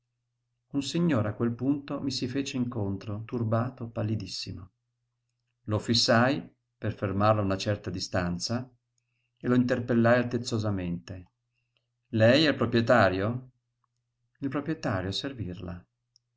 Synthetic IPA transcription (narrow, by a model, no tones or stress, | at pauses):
unsiɲːoːɾeakːwelpunt̪omisifeːt͡ʃeiŋkont̪ɾot̪urbaːt̪opalːid̪isːimo | lofisːaj | perfermarlaunat͡ʃɛrt̪ad̪ist̪ant̪sa | eloint̪erpelːajalt̪ːet̪sozament̪e | lɛjɛilpɾopɾjet̪aːɾjo | ilpɾopɾiet̪aːɾjoservirla̰